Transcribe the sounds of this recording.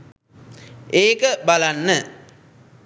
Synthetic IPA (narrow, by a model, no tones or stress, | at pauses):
eːkəbalanːə